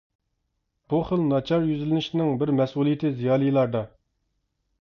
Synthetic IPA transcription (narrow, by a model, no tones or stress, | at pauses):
b̥uχəlnɑt͡ʃʰɑɾjyzɪlɪnɪʃnɪŋbɪɾmɛsʔulˠijɪt̪ʰɪzijɑːlˠijlˠɑɾd̪ɑ